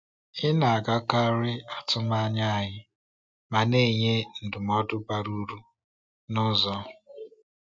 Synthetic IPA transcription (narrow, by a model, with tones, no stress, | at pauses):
ɪ˦na˨a˨ɡa˦ka˦ɾɪ˦a˨tʊ˦ma˦ɲa˦a˨ɲɪ˦ | ma˨ne˦˨ɲe˦n̩˨dʊ˨mɔ˦dʊ˦ba˨ɾu˦ɾu˦ | nʊ˦zɔ˦